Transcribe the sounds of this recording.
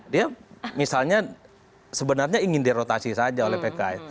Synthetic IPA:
diamisalɲa | səbənarɲaiŋɪndiɾot̪asisad͡ʒaolɛhpekaɛt̪̚

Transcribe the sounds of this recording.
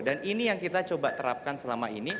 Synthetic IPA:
daninijaŋkit̪at͡ʃobat̪əɾa̰p̚kansəlamaini

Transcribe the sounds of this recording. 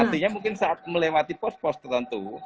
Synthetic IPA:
art̪iɲamuŋkɪnsaʔat̪̚məlewat̪ipɔs̚pɔst̪ərt̪ənt̪u

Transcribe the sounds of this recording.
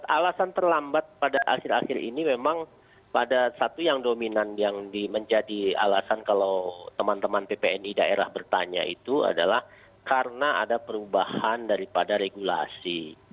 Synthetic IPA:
alasant̪ərlambat̪̚padaʔa̰xɪɾa̰xɪɾḭnimemaŋ | padasat̪ujaŋdominanjaŋdiməɲd͡ʒadia̰lasankalawt̪əmant̪əmanpepeɛnidaeɾahbərt̪aɲa̰ḭt̪ua̰dalah | kaɾənaʔadapəɾubahandaɾipadaɾeɡula̰sḭ

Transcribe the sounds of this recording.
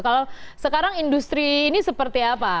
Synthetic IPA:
kalosəkaɾaŋindust̪ɾiːnisəpərt̪iapa

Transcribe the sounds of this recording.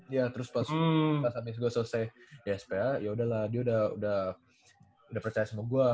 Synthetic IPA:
jat̪əɾʊspasasamɪs̬ɡuasəsaɛspeajaudahlahdiaudahṵdah | udahpərt͡ʃajasəmuaɡua

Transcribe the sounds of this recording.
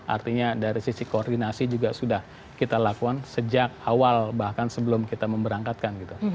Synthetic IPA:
a̰rt̪iɲadaɾisisikoːrdinasid͡ʒuɡasudah | kit̪alakuansəd͡ʒak̚awalbahkansəbəlʊmkit̪aməmbəɾaŋkat̪̚kanɡit̪u

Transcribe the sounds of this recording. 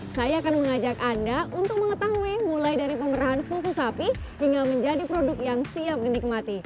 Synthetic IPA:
sajaːkanməŋad͡ʒakandaunt̪ʊk̚məŋət̪aimulajdaɾipəməɾaɦansus̬usapi | hiŋɡaməɲd͡ʒadipɾodʊk̚jaŋsiap̚dənɪk̚mat̪i

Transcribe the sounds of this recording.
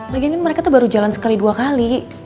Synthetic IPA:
baɡiankanməɾekat̪uhbaɾud͡ʒalansə̥kaliduakali

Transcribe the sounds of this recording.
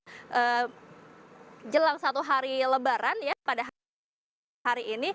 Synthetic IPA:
ʔəː | d͡ʒəlaŋsat̪uɦaɾiləbaɾanjapadaɦ | aɾiːni

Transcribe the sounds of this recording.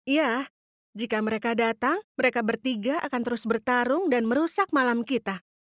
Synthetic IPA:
ija | d͡ʒikaməɾekadat̪aŋməɾekabərt̪iɡaʔakant̪əɾʊsbərt̪aɾʊŋdanməɾusak̚malamkit̪a

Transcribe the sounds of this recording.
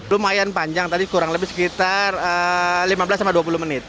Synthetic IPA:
lʊmajanpaɲd͡ʒaŋt̪adikuɾaŋləbɪhsə̥kit̪arəlimabəlasːamaduap̬ulumənɪt̪̚

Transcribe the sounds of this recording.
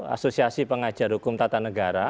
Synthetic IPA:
a̰sosiasipəŋḁd͡ʒa̤rhukʊmt̪at̪anəɡaɾa

